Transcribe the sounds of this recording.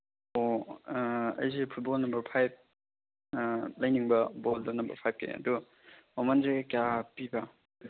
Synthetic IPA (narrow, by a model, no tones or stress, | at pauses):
o | ɐ̰js̬epʰut̚bolnɐmbɐɾpʰajb̚ | lɐjniŋbɐboldonɐmbɐ̰ɾpʰajp̚kʰḛɐ̰du | omanzeɡekjapibɐ